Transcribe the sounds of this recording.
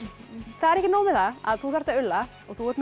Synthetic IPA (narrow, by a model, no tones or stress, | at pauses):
θaðɛɾɛhcːɪnoːwðɪθaa̰ðθuθaɾt̪aʏlːa | ɔɣθuɛɾt̪n